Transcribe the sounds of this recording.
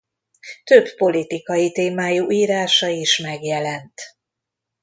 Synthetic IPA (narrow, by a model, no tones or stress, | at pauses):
t̪øbːo̞lit̪ikɒjit̪eːmaːjuʔiːɾaːʃɒiʃmɛɡjɛlɛnt̪